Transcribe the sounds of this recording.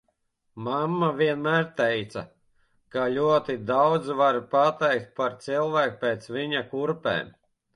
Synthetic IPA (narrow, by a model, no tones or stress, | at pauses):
mamːavʲiɛnmæːɾt̪ɛjt̪sa | kalʲuɔt̪id̪awd̪zvaɾpat̪ɛjk̚t̪̚paɾt̪silˠvæːkpʲeːt̪sviɲakuɾpɛ̰ːm